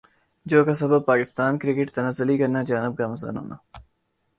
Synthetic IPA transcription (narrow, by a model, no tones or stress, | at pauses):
d͡ʒoːkɐsɐbɐb̚paːkɪst̪aːnkɾɪkɪʈt̪ɐnɐzɐliɡɐnad͡ʒaːnɪb̚ɡaːmɐzɐ̰no̰na̰